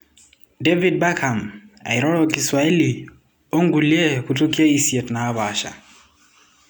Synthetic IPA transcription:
dɛ˦vid̚ba˦ka˨ma̰˨iɾɔ˦lɔ˦ki˨swa˨e˦li˨ | ɔ˦ŋɡu˨liɛ˦ku˨to˦ki˦a˦i˦siɛ˨tnaː˨˦βa˨ʃa̰˨

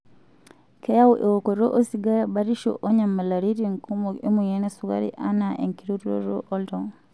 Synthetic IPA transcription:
kɛ˦ja˦u˦ʔe˨wo˨ko˨ɾo˦ʔo˦si˨ɡa˦a˦ba˦ɾi˦ʃo̰ʔo˦ɲa˨mːa˨la˨ɾi˦ɾi˨ŋku˦mo˨e˦mu˨je˦nɛ˦su˦ɡa̰˦ɾḭ˦ʔa˦na˨ʔe˨ŋki˨ɾu˦to̰˦ɾo̰˦ʔɔ˦ldɔ˨

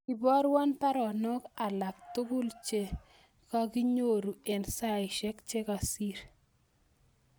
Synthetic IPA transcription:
i˨bɔ˦ɾwa˦npa˦ɾɔ˨nɔ˦ka˨la˨k̚t̪ʊ˦ɡʊ˦lt͡ʃe˦ | ka˦ɡi˦ɲo˦˨ɾu˨e˨nsa˦˨ɪ˨ʃɛ˦kt͡ʃɛ˦ka˨si˦ɾ

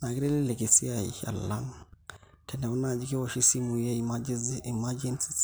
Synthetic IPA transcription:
na˨kɪ˦ɾe˦li˦le˨ki˨si˦a˨ḭ˨ha̰˨la̰˦ŋ | tʰɛ˨nɛ˨u˦na˨d͡ʒi˦ke˦wɔ˨ʃi˦si˦mu˨je˦mad͡ʒi˨mad͡ʒi˦nsi̥˦s

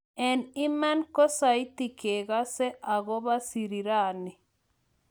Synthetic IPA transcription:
ɛ˨ni˦ma˦nko˦sa˨i˦ti˨ke˨ɣa˦se˦ʔa˨ɣo˦βa˦si˨ɾi˨ɾa˨ni˨

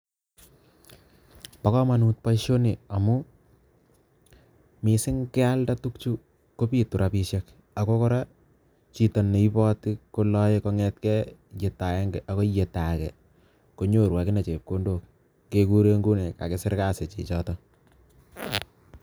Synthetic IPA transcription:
pa˨˦kɔ˦ma˨nu˨t̚pa˦ʃo˦ni˨a˨mu˦ | mɪ˨sɪ˦ŋkɛ˦a˦lda˦tu˦kt͡ʃu˦ | ko˦pi˨tu˨ɾʔa˨pi˦ʃɛ˦k | a˨ko˦kɔ˦ɾa˦ | t͡ʃi˨to˨nːe˨i˦pɔ˦tɪ˦ko˦lɔ˦jeko˦ŋɛ˦t̚kɛ˦je˨ta˨ɛ˦ŋɡɛ˨ʔa˨ko˦je˨ta˨kɛ̰˨ | ko˦ɲo˦ɾwa˨kɪ˦ne˨t͡ʃe˨p̚ko˦ndo˦˨k̚ː | e˦ku˦ɾe˦ŋɡu˦nɛ˨ka̰˨kɪ˦sɪ˦ɾka˦se˨t͡ʃḭː˨t͡ʃɔ˦tɔ˦

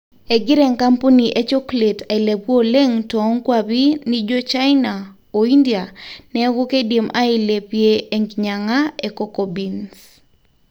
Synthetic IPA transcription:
e˨ɡɪ˦ɾe˨ŋka˦mpo˦ni˨ʔe˦t͡ʃo˦kle˨tʰa˨ɪ˨le˨pwo˦le˦ŋtɔ˨˦ŋkwabi˦ni˦d͡ʒo˦t͡ʃa˦ɪna˨ | o˨i˦ndia˨nɛ˦ɡo˦ke˦dje˨mʔa˦ɪ˦le˨pje˦e˦ŋɡɲa˨ŋa˦e˨kɔ˦ko˨bi˨ns

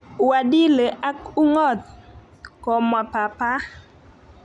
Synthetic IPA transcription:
wa˨di˦le˨ʔa˦ku˦ŋɔ˦˨t̪̚ | kɔ˨ma˨pa˨pa˦

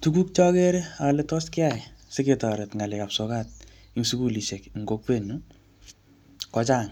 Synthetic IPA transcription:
tu˦ku˦k̚t͡ʃɔ˦ke˦ɾe˦ale˦tɔ˦skɪ˦a˨se˦ke˨tɔ˨ɾɛ˨tŋa˨le˨ka˨pso˨ka˦t̚ | i˦ŋsu˦ku˦˨li˨ʃe˨kŋ̩˨ɡo˨˦k̚pe˦nu˦ | kɔt͡ʃa˦˨ŋ

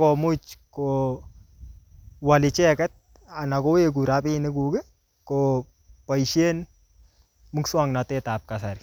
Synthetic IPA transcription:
ko˨mu˦t͡ʃko | wa˨li˨t͡ʃɛ˦kɛ˦t̪̚ | a˨na˨ko˦e˦k̬u˨ɾa˦pi˦nɪ˦kuɡe˦ | ko | pɐ˨jʃe˦n | mu˦kswa˦ŋna˨t̪et̪aːp̚kasaɾi

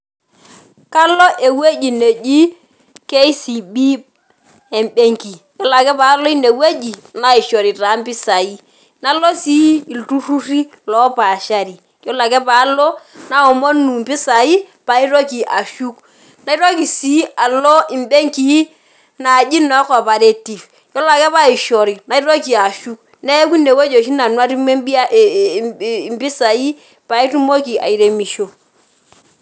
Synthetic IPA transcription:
ka˦lo˦ʔe˨we˦d͡ʒi˨ne˨d͡ʒi˦ | ke˦i˦si˨bi˦ | e˨mbe˦ŋki˨jo˦la˨kɛ˦pa˨˦lɔ˦i˦ne˨we˦d͡ʒi˨na˨i˨ʃo˨ɾi˨ɾa˨˦m̩˦pɪ˦sa˨i˦ | na˨˦lo˦si˦i˨ltu˦ru˦ri˦ | lɔ˨˦pa˨ʃa˦ɾi˨ | jo˦la˨kɛ˦pa˨˦lo˦na˨˦ɔ˨mo˦nu˨m̩˨pi˦sa˨i˦ | pa˨˦i˦ɾo˦ki˨ʔa˨ʃu˦k | na˨i˦ɾo˦ki˨si˨˦a˨lo˦i˨m˦be˦ŋki˦ | na˨d͡ʒi˦nɔ˨˦kɔ˨pa˨ɾe˦ti˨f | jo˦la˨kɛ˦pa˦i˨ʃɔ˨ɾi˨na˨i˦ɾo˦ki˨a˨ʃu˦k̚ | ne˦ku˦ne˨ko˦d͡ʒo˨ʃ̬i˦na˨nwa˦ɾi˦e˦bi˦a˦˨ | mpi˦sa˨i˦ | pa˨i˦tu˦mo˦ki˨ʔa̰˨i˨ɾe˨mi˨ʃo˦

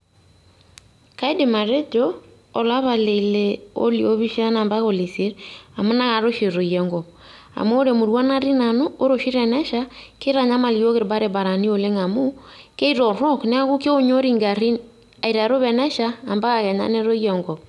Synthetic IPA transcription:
ka˦i˦de˨ma˨ɾe˦d͡ʒoː˦˨ | la˦βa˨le˨le˨o̰˦lḭ˨o˦βi˦ʃa˦na˨mba˦ɣo˨li˨si˦ɾa˨mo˦na˦ɣa˨ɾo˦ʃi˨ɾo˨jɛ˨ŋɡɔ˨ | a̰˨moː˦ɾe˨mu˨ɾwa˦na˦ɾi˦na˨no˦o˦ɾo˨ʃi˦ɾɛ˨nɛ˦ʃa˦ke˦ɾa˨ɲa˦ma˨li˨o˦ɣe˦ɾba˦ɾe˨ba˨ɾa˨ni˦o˨le˦ŋa˨mo˦ke˦i˦ɾɔ˨ɾɔ˦knɛ˦a˦ɣu˦ke˦o˦ɲo˦ɾi˦˨ŋɡa˨ɾi˦ | a˨i˨ɾa˨ɾo˦βɛ˨nɛ˦ʃaː˦˨mba˦ɣa˨ɣɛ˨ɲa̰˦ne˦ɾo˦ijɛ˨ŋɡɔ˨

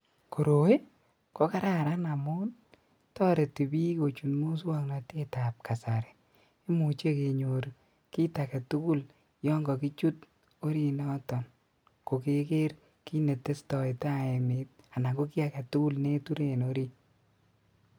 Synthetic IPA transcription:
ko˨ɾo˨we˦ | ko˦ka˦ɾa˦ɾa˦na˨mʊ˦n | tɔː˦ɾe˨ti˨bi˦ko˨t͡ʃu˨nmu˦s̬wa˦ŋna˨te˦ta˨p̚ka˨sa˨ɾɛ˨ | i˦mu˨t͡ʃe˦ke˨ɲo˨ɾ | ki˦ta˨kɛ˨tu˦ku˦l | jɔ˦ŋɡɔ˨ki˦t͡ʃu˦t̚ | o˦ɾi˦nɔ˦tɔ˨n | ko˨ke˨ke˦ɾ | ki˦ne˨tːe˦stɔ˨ɪta˦e˨mɪ˨t̚a˨na˨ɡo˦ki˦a˨kɛ˨tu˦ku˦lne˦tu˦ɾe˨no˦ɾi˦n

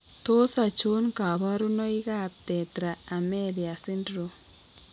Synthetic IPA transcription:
t̪o˦sa˨t͡ʃu˦nka˨βa˦ɾu˦no˦iɣap̚t̪ɛ˨t̪ɾaː˨meɾja˨si˦ndɾo

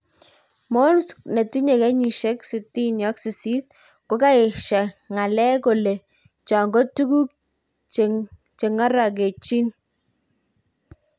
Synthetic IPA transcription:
mo˦nskne˨ti˦ɲe˨kɛ˦ɲi˨ʃe˦ksi˨ti˦njɔ˦ksi˨si˦t̚ | ko˨˦ka˦e˨ʃa˨ŋa˨lɛ˦ko˨le˨ | t͡ʃɔ˨ŋɡo˦tu˦ku˦k̚ | t͡ʃe | t͡ʃe˨ŋa˦ɾa˨k̬e˨t͡ʃi˦n

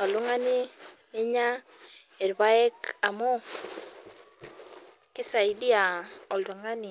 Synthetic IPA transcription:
ɔ˨lu˦ŋa˦nɪ˦ne˦ɲa˦ | e˨ɾba˦ɛ˦ka˨mo˦ | kɪ˦sa˨i˦di˦a˨ɔ˨lu˨ŋa˦ni˨

